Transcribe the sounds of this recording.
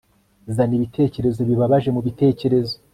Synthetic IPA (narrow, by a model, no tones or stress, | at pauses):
zaniβitʰe̞ːce̞ɾe̞zo̞βiβaβaʒe̞muβite̞ːce̞ɾe̞zo